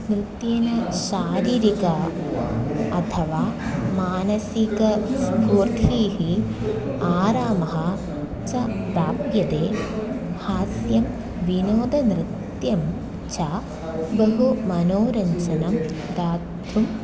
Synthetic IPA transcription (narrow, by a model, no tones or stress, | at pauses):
nɾɨt̪jeːnɐʃaːɾiːɾikɐ | ɐt̪ʰɐʋaːmaːnɐsikɐsbʱuːɾt̪ʰiːɦi | aːɾaːmɐɦɐ | t͡ʃɐbaːbjɐd̪eː | haːsjɐm | ʋinoːd̪ɐnɾɨt̪jɐm | t͡ʃa | bɐɦumɐnoːɾɐɲt͡ʃɐnɐm | d̪aːtt̪ʰum